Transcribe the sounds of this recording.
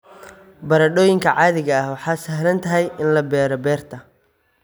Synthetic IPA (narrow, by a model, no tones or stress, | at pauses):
bɐɾɐɖɔːjɪŋkʰɐʕɑːðɪɣɐɐhwɑħɑːsɐhlɐnt̪ʰɐɦɛjʔɪnlɐbɛːɾɔbɛːrt̪ʰɐ